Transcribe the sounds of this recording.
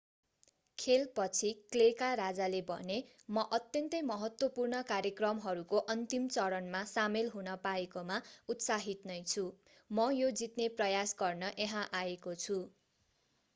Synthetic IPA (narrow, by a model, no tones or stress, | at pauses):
kʰelpʌt͡sʰiklekaɾad͡zalebʱʌ̰ne | mʌʔʌt̪jʌnt̪ʌjmʌɦʌt̪wʌpurnʌkaɾjʌkrʌmɦʌɾukoʔʌnt̪imt͡sʌɾʌnmasamelɦunʌpaekomaut̪saɦit̪nʌjt͡sʰu | mʌjod͡zit̪neprʌjasɡʌrnʌʔeɦãʔaekot͡sʰu